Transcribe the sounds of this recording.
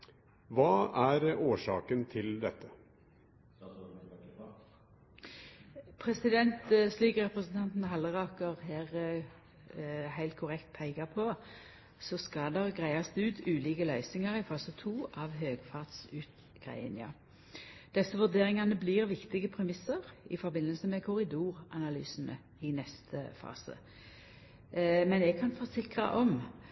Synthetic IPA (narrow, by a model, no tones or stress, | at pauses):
ʋɑːæɾoːʂɑ̰ːkənt̪ʰɪld̪ɛt̪ʰːə | pʰʁɛsɪd̪ɛnt̪sliːkəʁɛpʁəsn̩t̪ʰɑnt̪n̩ɦɑlːəʁɑkəʁhæːʁ | hæɪlt̪kʰʊʁɛkt̪̚pʰæɪɡɑpʰɔ | sɔskɑd̪ɛʁɡʁæɪɑst̪ʉːt̪ʰʉːliːkəlœʏsɪŋəʁɪfɑːsət̪ʰuːʔɑʋɦøːɡfɑʁt̪sʉːt̪ | ɡ̥ʁæ̰ɪə̰njɑ̰ː | d̪̥ɛsːəʋʉʁd̪eːʁɪŋɑnəbliːʁʋɪkt̪ɪɡəpʰʁɛmɪsəʁɪ̰fɔɾbɪnːəlsəmɛkʰʊʁɪd̪uːʁʔɑnɑly̰ːsən̩ə̰ | ɪnɛst̪ʰə̰fɑ̰ːsə̰ | mɛnɛɡ̚kʰɑnfoːsɪkʁɑ̰ʔɔm